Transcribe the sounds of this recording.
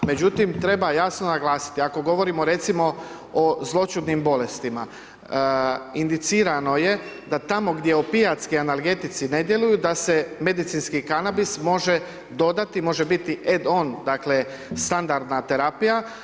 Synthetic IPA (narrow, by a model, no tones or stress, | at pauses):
me̞d͡ʑut̪imt̪ɾe̞bajasnonaɡlˠaːsi̥t̪iako̞ɡo̞ʋo̞ɾimo̞ɾe̞t̪simo̞ | ozlˠo̞t͡ʃud̪nimbo̞le̞st̪ima | ind̪it̪siːɾano̞je̞d̪at̪amo̞ɡd̪je̞opiat̪skianalˠɡe̞t̪it̪sine̞d̪je̞lujud̪aseme̞d̪it̪sinskikanabismo̞ʒe | d̪o̞d̪at̪imo̞ʒebit̪iʔed̪o̞nd̪akle | st̪and̪aɾd̪nat̪e̞ɾapija